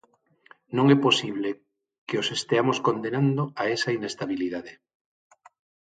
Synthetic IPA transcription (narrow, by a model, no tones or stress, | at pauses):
nõŋɛposiβ̞le | keosest̪eamoskond̪enand̪oaesainest̪aβiliðaðe